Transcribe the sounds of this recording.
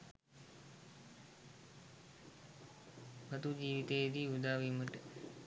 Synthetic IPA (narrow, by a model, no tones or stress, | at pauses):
bɐt̪ud͡ʒiːʋit̪ejed̪iːud̪aːʋiməʈə